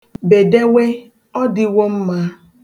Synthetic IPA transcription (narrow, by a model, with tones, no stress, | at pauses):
be˨de˦we˦ | ɔ˦dɪ˦wo˦m̩˦ma˦